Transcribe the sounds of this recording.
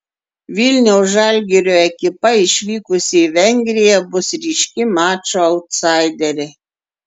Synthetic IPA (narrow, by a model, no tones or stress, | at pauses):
ʋʲilʲnʲɛʊsʒɑˑlʲɡʲɛɾʲoːɛkʲɪpɐɪʃʲʋʲiːkʊsʲɪiʋʲɛŋʲɡʲɾʲɪjɛbʊsɾʲiːʃʲkʲɪmɑːt͡ʃoɐʊt̪sɑɪd̪ʲɛɾʲɪ